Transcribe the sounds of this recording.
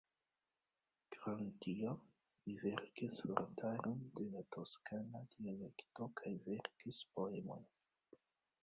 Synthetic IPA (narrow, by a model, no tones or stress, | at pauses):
kɾantio | live̞ɾkisfo̰ɾtʰaɾonde̞lato̞skanadiale̞kto̞kʰajve̞ɾkispoemo̞̰j